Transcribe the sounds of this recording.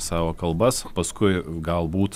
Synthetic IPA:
sɑːʋoːkɐlˠbɐspɐskʊɪɡɐlˠbuːt̪

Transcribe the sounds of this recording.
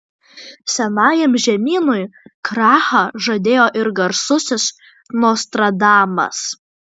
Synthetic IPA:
sʲɛnɑːjɛmʒʲɛmʲiːnʊjkɾɑːxɐʒod̪ʲeːjoːʔɪɾɡɐɾsʊsʲɪs | noːst̪ɾɐd̪ɑːmɐ̰s

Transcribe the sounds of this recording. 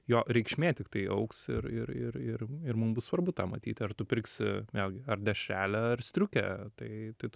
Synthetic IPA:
joːɾʲɛɪkʃʲmʲeːt̪ʲɪkt̪ɐɪɐ̰ʊksɪɾɪɾɪɾɪrɪrmʊmbʊsʋɐrbʊt̪ɑːmɐt̪ʲiːt̪ʲɐrt̪ʊpʲɪrksʲɪ̰mʲeːlʲɡʲɪɐrd̪ʲɛʃʲæːlʲɛɐrsʲt̪ʲɾʲʊkʲɛ̰t̪ɐɪt̪ɐɪt

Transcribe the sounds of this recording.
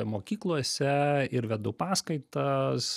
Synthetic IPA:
moːkʲiːklˠuɔsʲɛɪɾʋʲɛd̪ʊpɑːskɐɪt̪ɐs

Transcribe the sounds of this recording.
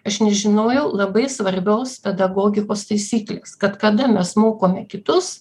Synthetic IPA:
ɐʃnʲɛʒʲɪnoːjɛʊlˠɐbɐɪsʋɐɾʲbʲoːspʲɛd̪ɐɡoːɡʲɪkoːst̪ɐɪsʲiːklʲḛːskɐt̪kɐd̪ɐmʲɛsmoːkoːmʲɛkʲɪt̪ʊs

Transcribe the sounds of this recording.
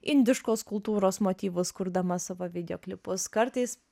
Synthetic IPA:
ɪ̰nʲd̪ʲɪʃkoːskʊlˠt̪uːɾoːsmoːt̪ʲiːʋʊskʊɾd̪ɐmɐsɐʋoʋʲɪd̪ʲɛoːklʲɪpʊskɐɾt̪ɐɪs

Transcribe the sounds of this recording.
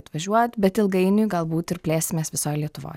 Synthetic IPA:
t̪ʋɐʒuɔt̪bɛt̪ɪlˠɡɐinyɡɑlˠbuːt̪ɪɾplʲeːsmɛsʲpɛsɑːlʲjɛt̪ʊʋɑ̰ː

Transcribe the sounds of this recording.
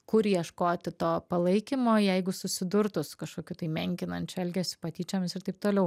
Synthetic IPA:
kʊɾjiɛʃkoːt̪ʲɪt̪oːpɐlˠɐɪkʲimoːjɛɪɡʊsʊsʲɪd̪ʊɾt̪ʊsʊ̥kɐʃkoːkʲuːt̪ɐɪmʲɛŋʲkʲɪnɐnʲt͡ʃʲʊɛlʲɡʲɛːsʲʊ̥pɐt̪ʲiːt͡ʃʲoːmʲɪsɪɾt̪ɐɪp̚t̪oːlʲɛʊ

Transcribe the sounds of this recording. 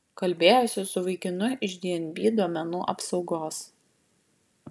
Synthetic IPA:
kɐlʲbʲeːjoːsʲɪsʊʋɐɪkʲɪnʊʔɪʒʲd̪ʲeɛnʲbʲiːd̪uɔmʲɛnuːʔɐpsɒʊɡoːs

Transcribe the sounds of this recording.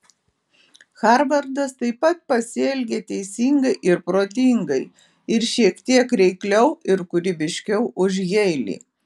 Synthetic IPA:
xɑˑɾʋɐɾd̪ɐst̪ɐɪpɐt̪̚pɐsʲɪɛlʲɡʲet̪ʲɛɪsʲiŋɡɐɪʔɪɾpɾoːt̪ʲɪŋɡɐɪ | ɪɾʃʲiɛkt̪ʲiɛkɾʲɛɪklʲɛʊɪɾkʊɾʲɪbʲɪʃʲkʲɛʊʔʊʒɣʲɛɪlʲḭː

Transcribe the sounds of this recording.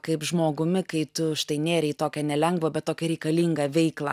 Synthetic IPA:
kɐɪpʒmoːɡʊmʲɪkɐɪt̪ʊʃt̪ɐɪnʲeːɾʲɛɪt̪oːkʲɛnʲɛlʲɛŋɡʋoːbʲɛt̪̚t̪oːkʲɛɾʲɛɪkɐlʲiːŋɡɐʋʲɛɪklˠɐ̰

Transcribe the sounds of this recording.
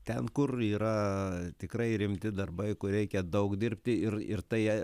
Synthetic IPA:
t̪ʲɛnkʊriːɾɐt̪ʲɪkɾɐɪɾʲɪmʲt̪ʲɪd̪ɐrbɐɪkʊɾʲɛɪkʲɛd̪ɐʊkd̪ʲɪɾʲpʲt̪ʲɪɪrɪ̰rt̪ɐɪ

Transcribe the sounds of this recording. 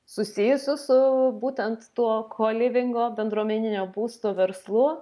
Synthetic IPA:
sʊsʲijʊsʲʊsʊbuːt̪ʲɛnt̪t̪uɔkʰoːlʲɪʋʲɪŋɡoːbʲɛnd̪ɾuɔmʲɛnʲɪnʲoːbuːst̪oːʋʲɛɾslˠʊ

